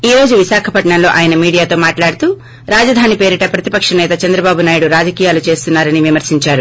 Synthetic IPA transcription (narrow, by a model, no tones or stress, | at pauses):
iːɾo̞ːd͡ʒuʋiʃaːkʰɐpɐʈɳɐnlo̞ːʔaːjɐnɐmiːɽijaːt̪o̞ːmaːʈlaːɽut̪uː | ɾaːd͡ʒɐd̪ʱaːnipeːɾiʈɐpɾɐt̪ipɐkʂɐnɛːt̪ɐt͡ʃɐnd̪ɾɐbaːbunaːjiɽuɾaːd͡ʒɐkijaːlut͡ʃe̞ːst̪unːaːɾɐniʋimɐɾsiɲt͡ʃaːɾu